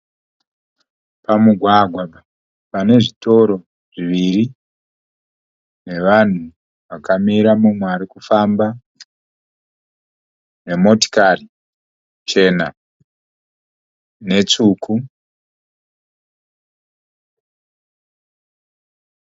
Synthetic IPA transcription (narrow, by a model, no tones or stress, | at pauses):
pamuɡʱwaɡʱwaa | pane̞ʐito̞ɾo̞ | ʐiʋiɾi | ne̞ʋan̤u | ʋakamiɾamumweaɾikufaːmba | ne̞mo̞ti̥kari | t͡ʃe̞ːna | ne̞t͡sukʰu